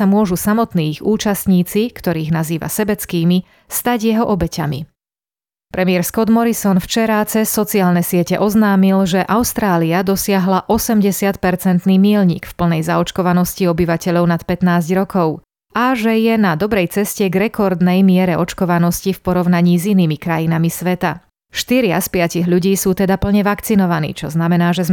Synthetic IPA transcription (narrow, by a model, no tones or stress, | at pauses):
amʊɔʒusamɔt̪niːxuːt͡ʃast̪ɲiːt͡sikt̪ɔɾiːɣnaziːʋa̰sɛbɛt͡skiːmi | st̪aɟjɛɦɔʔɔbɛcamḭ | pɾɛmɪɛɾskɔd̪mɔɾisɔnft͡ʃɛɾat͡sɛsɔt͡siaːlnɛsɪɛcɛ̰ʔɔznaːmilʒɛʔaʊst̪ɾaːliad̪ɔsɪaɦlaʔɔsɛmɟɛsɪat̪pɛɾt͡sɛnt̪niːmɪɛlɲḭːkfpl̩nɛjzaɔt͡ʃkɔʋanɔsciɔbiʋacɛʎɔʊnat̪pɛt̪naːzɟɾɔkʰɔʊ | aʒɛjɛnad̪ɔbɾɛjt͡sɛscɛɡɾɛkɔɾd̪nɛjmɪɛɾɛʔɔt͡ʃkɔʋanɔscifpɔɾɔʊnaɲiːziniːmikɾajinamisʋɛt̪a̰ | ʃt̪iɾɪaspɪaciɣʎuɟiːsuːt̪ɛd̪apl̩ɲɛʋakt͡sinɔʋanḭːt͡ʃɔ̰znamɛnaːʒɛz